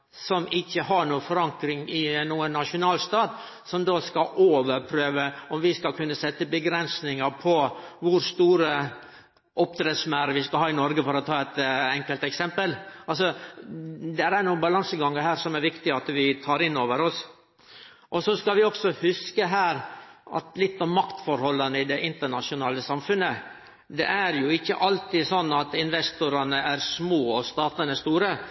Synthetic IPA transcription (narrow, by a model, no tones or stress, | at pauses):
sɔmɪçːəɦɑɾɳuːəfɔɾɑŋkɾɪŋɪnuːənːɑʂʊnɑːlst̪ɑːt̪ | sɔmd̪oːskɑʔoːʋəɾpʰɾøːʋəɔmʋɪskɑlkʰʉnːəsɛt̪ːəbəɡɾɛnsnɪŋəɾpʰɔʋʊɾst̪uːɾə | ʔɔpt̪ʰɾesmæɾəʋɪskɑhɑːɪnɔɾɡəfɔɾɔt̪ʰɑːɛt̪ɛŋkəlt̪ɛksɛmpəlɑlsɔ | d̪ɛɾæɾnuːənbɑlɑŋsəɡɑŋːəɾɦæːɾsɔmæɾʋɪkt̪ɪɑt̪ʋɪt̪ʰɑːɾɪnːoːʋəɾɔs | ʔɔsɔskɑʋɪɔksɔhʉskəɦæːɾɑ̰t̪lɪt̪ːɔmːɑkt̪fɔɾhɔlːɑnəɪd̪ɛʔɪnt̪əɳɑʂɪʊnɑːləsɑmfʉnːə | d̪ɛ̰ʔæɾjʊɪçːə̰ʔɑlt̪ɪsɔnːɑt̪ɪnʋɛst̪ʊɾɑnəæɾsmoːɔst̪ɑːt̪ənəst̪uːɾə